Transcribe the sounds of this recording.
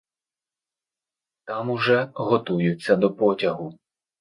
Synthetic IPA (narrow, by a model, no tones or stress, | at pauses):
t̪ɑmʊʒɛɦɔt̪ujʊt͡sʲːɐd̪ɔpɔtʲɐɦʊ